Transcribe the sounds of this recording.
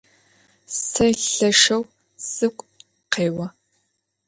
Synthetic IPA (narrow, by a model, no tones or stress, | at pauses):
sʰɐɬɐʂɐw | sɨkʷʼ | qeːwɐ